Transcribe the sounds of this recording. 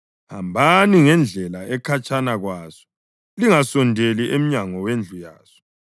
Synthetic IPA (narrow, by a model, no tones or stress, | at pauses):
hambʱaniŋɛnd͡ɮʱɛlaɛkʰat͡ʃʼanaɣwasɔ̥ | liŋasɔndʱeliʔem̩ɲaŋɔwend͡ɮʱuja̰ːsɔ̥